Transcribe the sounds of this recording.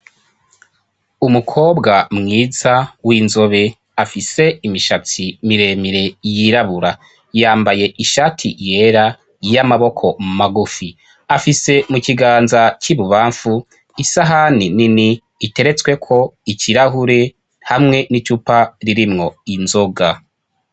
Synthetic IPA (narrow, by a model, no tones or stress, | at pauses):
umukʰo̞ːbɡamŋiːzawinzo̞βe̞ | afise̞imiʃat͡simiɾe̞miɾe̞jiɾaβuɾa | jaːmbaje̞ʔiʃatʰḭje̞ɾa | jamaβo̞kʰo̞maɡufi | afise̞muciɡaːnzaciβuβaːɱfu | isaɦanininiː | te̞ɾe̞t͡swe̞kʰo̞iciɾaɦuɾe̞ | hamŋe̞nit͡ʃupaɾiɾimŋo̞inzo̞ɡa